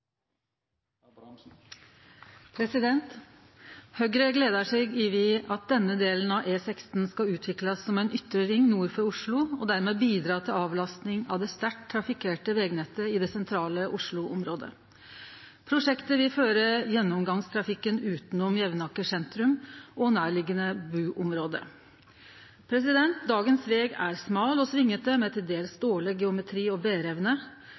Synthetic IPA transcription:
pʰɾɛsɪd̪ɛnt̪ | hœɡɾəɡleːd̪əʂɛːɡɪʋɪɑt̪̚d̪ɛnːəd̪eːlənɑʔeːsɛkst̪n̩skɑʉːt̪ʰʋɪklɑsːɔmæɪnʏt̪ːɾəɾɪŋːnuːɾfɔɾʊʂɭʊɔd̪æɾmeːbiːd̪ɾɑːt̪ʰɪlɑːʋlɑst̪nɪŋɑ̰ʋd̪ɛst̪æʈt̪ʰːɾɑfɪkʰeːʈəʋɛɡnɛt̪ːəɪd̪ɛsɛnt̪ʰɾɑːləʔʊʂɭʊʔɔmɾoːd̪ə̰ | pʰɾʊʂɛkt̪əʋɪlføːɾəjɛnːɔmɡɑŋst̪ʰɾɑfɪkːənʉːt̪n̩ɔmjɛʋnɑkːəʂɛnt̪ɾʉmɔnæːɭɪɡːənəbʉːʔɔmɾoːd̪ə̰ | pʰɾɛsɪd̪ɛnt̪̚d̪ɑːɡənsʋeːɡæ̰ɾsmɑːlɔsʋɪŋːət̪̚d̪ɛmɛt̪ʰɪld̪eːlsd̪oːɭəɡɛʊmɛt̪ʰɾiːɔbeːɾɛʋnə

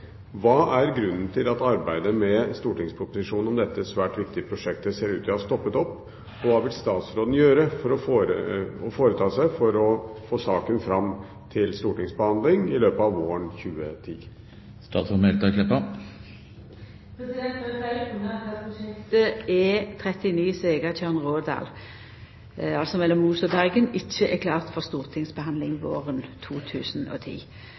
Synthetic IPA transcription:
ʋɑːʔæɾɡɾʉnːn̩t̪ʰɪlɑt̪ɑɾbæɪd̪əmɛst̪uːʈɪŋspʰɾʊpːʊsɪʂuːnɔmd̪ɛt̪ːəsʋæːʈʋɪk̚t̪ɪəpʰɾʊʂɛk̚t̪əseːɾʉːt̪ʋɪhɑst̪ɔpːət̪ɔpː | ɔʋɑːʋɪlst̪ɑːt̪sɾoːd̪n̩jøːɾəfɔɾɔfɾəɔfoːɾət̪ʰɑːsæɪfɔɾɔfoːsɑːkənfɾɑm | t̪ʰɪlst̪uːʈɪŋsbəhɑnd̪lɪŋɪløːpəɑʋʋoːəɳçʉːət̪ʰḭː | st̪ɑ̰ːt̪sfɔmɛlt̪ɑkʰlɛpːɑ | pʰɾɛsɪd̪ɛnt̪ɛfɛɪnəɛspʊsɛkt̪əɛt̪ʰʁɛt̪ɪniːseːɡət̪ʰœʁnʁoːd̪ɑ̰ːl | ɑlsɔmɛlːɔmuːsɔbæʁɡənɪçːəʔɛkʰlɑːʁt̪fɔʁst̪uːʁt̪ʰɪŋsbəhɑnd̪lɪŋʋo̰ːʁənt̪ʰuːt̪ʰʉːsnɔ̰t̪ʰḭː

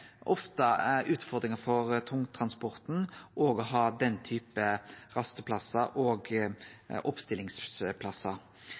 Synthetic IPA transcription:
ʔɔft̪əæɾʉːt̪fɔd̪ɾɪŋəfɔɾt̪ʰʊŋt̪ʰɾɑnspɔʁt̪n̩ʔoːɡɔɦɑːd̪ɛnt̪ʰyːpəʁɑst̪əpʰlɑsːɑʔoːɡ | ʔɔpst̪ɪlɪŋspʰlɑsɑ

